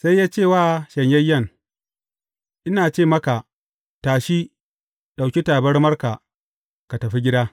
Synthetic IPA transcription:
sa˦jːaː˦t͡ʃeː˦˨waː˦ʃɐ˨ɲjɐ˦jːɐ˦˨ŋ | ʔɪ˦naː˨t͡ʃeː˦˨mɐ˦ka˨ | taː˨ʃi˦ | ɗa˨wkʲi˦taː˨bɐ˦rmɐ˦rka˨ | ka˨tɐ˨ɸi˦ɡʲɪ˦daː˦

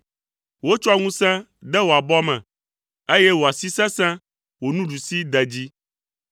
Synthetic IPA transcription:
wo˦t͡ʃɔ˦a˨ŋũ˦sɛ̃˦ | ɖ̪ɛ˦wo˨a˨bɔ˦mɛ̰̃˨ | e˦jɛ˦wo˨a˨si˦sɛ̃˦sɛ̃˦ | wo˨nũ˦ɖu˨si˦d̪ɛ˨d͡ʑi˦

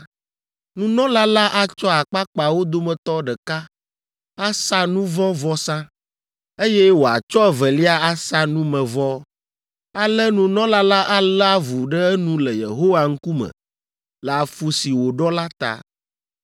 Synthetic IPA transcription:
nũ˦nɔ̃˦la˦la˦ʔa˨t͡ʃɔ˦a˨k͡pa˦k͡pa˨wo˦d̪o˦mɛ̃˨t̪ɔ˦ɖɛ˨ka˦ | a˦sa˦nũ˦vɔ̃˦vɔ˦sã˦ | e˦jɛ˦wo˨a̰˨t͡ʃɔ˦ɛ˦vɛ˨li˦a˦a˦sa˦nũ˦mɛ̃˨vɔ˦ | a˨lɛ˦nũ˨nɔ̃˦la˦la˦ʔa˦la˦vu˨ɖɛ˦ɛ˦nũ˦lɛ˨jḛ˨ɦo˦wa˨ŋ̩˦ku˦mɛ̰˨ | lɛ˨a˨fu˨si˨wo˨ɖɔ˦la˦t̪a̰˨

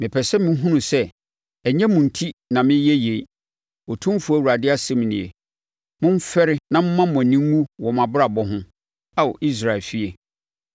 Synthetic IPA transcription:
mɪ̃˨pʰɛ˨sɛ˦mɪ̃˦ɦũ˦nũ˨sɛ˦ | ɛ˨ɲɛ̃˦mũ˨n̩˨tʰi˦nã˨mɪ̃˦jɛ˦je˨˦˨ | o˨tʰũ˦m˦fu˦a˦˨u˨ɾa˨dɪ˦a˦sɛ˦m˨nɪ̃˨ḛ˨ | mʊ̃˦m̩˦fɛ˦ɾɪ˦nã˦m̩˦mã˦˨ɔ̃˨nĩ˦ŋũ˦wɔ˨mã˨bɾa˨bɔ˦ɦʊ̃˦ | a˦wɔ˨ʔi˦s̬ɾa˨ɛ˨lfi˦e˨

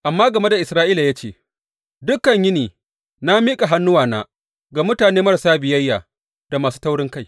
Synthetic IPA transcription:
ʔa˨mːaː˦ɡɐ˨me˦da˨ʔɪ˨sɾaː˦ʔiː˦la˨jaː˦t͡ʃeː˦˨ | dʊ˦kːɐ˨ɲjɪ˦niː˨ | na˦miː˦kʼa˨ɦa˦nːʊ˦waː˨naː˦ | ɡa˨mʊ˦taː˨neː˦mɐ˦ɾsaː˦bɪ˨jɐ˦jːaː˨ | d̥a˨maː˨suː˦ta˦wɽɪ˦ŋka˦j

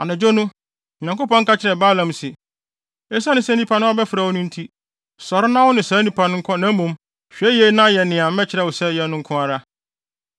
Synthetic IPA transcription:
a˨nã˨d͡ʑo˦nʊ̃˦˨ | ã˨ŋko˦pɔ̃˦ŋ̩˦ka˦t͡ɕʰɪ˨ɾɛ˨baː˦lã˨msɪ˨ | ɛ˦sa˦nʊ̃˨˦sɛ˦nĩ˦pʰa˨nʊ̃˦ɔ˦bɛ˦fɪ˨ɾa˨wʊ˦nʊ̃˦n̩˦tʰi˦ | sɔ˨ɾɪ˦nã˦wʊ˦nɪ̃˨sa˨˦nĩ˨pʰa˨nʊ̃˦ŋ̩˦kʰɔ˦nã˨˦mũ˨m | ɕᶣɛ˦je˦nã˦jɛ˨nɪ̃˨ã˨m˦mɛ̃˦t͡ɕʰɪ˨ɾɛ˨wʊ˨sɛ˦jɛ˨˦nʊ̃˦ŋ̩˦kʰʊ̃˦a˨ɾa˦

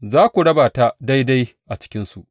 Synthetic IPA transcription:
zaː˦kʷu˨ɽɐ˦baː˨ta˦da˦jda˦j | ʔa˨t͡ʃɪ̥˦kʲɪ˦nsṵ˨ʔ

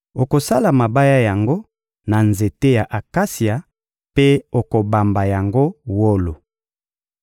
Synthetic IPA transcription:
o˨ko˨sa˦la˨ma˨ba˦ja˦ja˨ŋɡo˦ | na˨nze˨te˦ja˨ʔa˨ka˦si˨a˨ | pe˦o˨ko˨ba˨mba˨ja˨ŋɡo˦wo˦lo˨

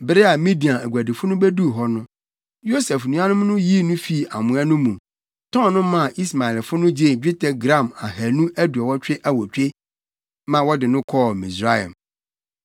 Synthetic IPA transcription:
bɪ˦ɾɪ˦a˨mĩ˦di˨ã˨æ˨ɡʷæ˨dɪ˨fʊ˦nʊ̃˦bæ˦du˦˨ɦɔ˦nʊ̃˦ | jo˦sɛ˨fnũ˨˦ã˦nʊ̃˦m˦nʊ̃˦ji˦˨nʊ̃˦fi˦˨a˨mʊ̃˨ã˦nʊ̃˦mũ˨ | tʰɔ̃˦nnʊ̃˦mã˦˨ʔi˦sma˨ɛ˨lfʊ˦nʊ̃˦d͡ʑe˦˨d͡ʑᶣɪ˦tʰɛ˨ɡɾã˦˨ma˨hæ˨nũ˦ʔæ˦du˨ɛ˨wɔ˦t͡ɕᶣɪ˦ʔa˦wɔ˨t͡ɕᶣe˦ | mã˨wɔ˦dɪ˨nʊ̃˦kʰɔ˦mĩ˨sɾa˦jã̰˨m

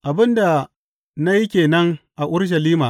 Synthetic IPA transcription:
ʔa˨bɪ˦nda˨ | na˦ji˦kʲeː˨nɐ˦ŋʔa˨ʔʊ˦ɾʃ̬ɐ˨liː˦maː˨

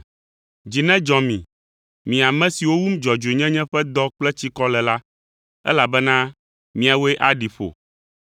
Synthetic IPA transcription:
d͡ʑi˨nɛ̃˦d͡ʒɔ̃˨mĩ˨ | mĩ˨a˨mɛ̃˦si˨wo˦wu˦m˦d͡ʒɔ˨d͡ʒo˨e˨ɲɛ̃˦ɲɛ̃˦ɸɛ˦d̪ɔ˦k͡plɛ˦t͡ɕi˦kɔ˦lɛ˨la˦ | ɛ̰˦la˨bɛ˦nã˦ | mĩ˨a˨wo˦ɛ˦ʔa˦ɖi˨ɸo̰˨

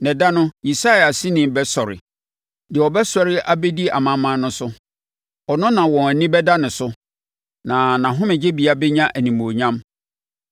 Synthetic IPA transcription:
nɛ̃˨da˦nʊ̃˦i˨sa˦ja˨si˦nĩ˨m˨bɛ˦sɔ˨ɾɪ̰˨ | dɪ˨ɔ˨bɛ˦sɔ˦ɾɪ˦ʔa˦be˦di˦a̰˨mã˦mã˦nʊ̃˦sʊ˦ | ɔ˨nʊ̃˦nã˨wɔ̃˨æ˨nĩ˦bɛ˦da˦nʊ̃˨sʊ˦ | nã˨nã˨ɦʊ̃˦mɪ̃˨d͡ʑe˦bi˨a˦bɛ˦ɲã˦ʔæ˨nĩ˨mo˨ɲã˦m

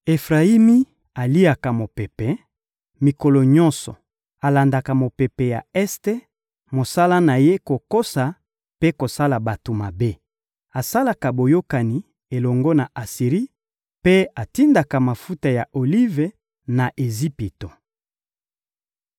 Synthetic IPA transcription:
e˨fʁa˨i˦mi˦ | a˨li˦a˨ka˨mo˨pe˨pɛ˨ | mi˨ko˨lɔ˨ɲɔ̃˦nsɔ̰˨ | a˨la˨nda˨ka˨mo˨pe˨pe˨ja˨ɛ˦ste˦ | mo˨sa˦la˦na˨je˦ko˨ko˦sa˨ | pe˦ko˨sa˦la˨ba˨to˨ma˨be˦ | a˨sa˦la˨ka˨bo˨jo˦ka˨ni˨ | e˨lɔ˨ŋɡɔ˦na˨a˨si˨ʁi˦ | pe˦a˨ti˦nda˨ka˨ma˨fu˦ta˨ja˨ʔo˨li˦ve˨ | na˨ʔe˨zi˦pi˨to˨

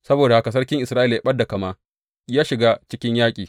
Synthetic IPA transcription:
sɐ˦boː˨da˨ha˦ka˨s̬ɐ˦rkʲɪ˦ŋʔɪ˨sɾaː˦ʔɪ˨lja˨ɓɐ˦da˨kɐ˨maː˦ | jaː˦ʃɪ˨ɡaː˦t͡ʃɪ˦kʲɪ˦ɲjaː˦kʲʼiː˨

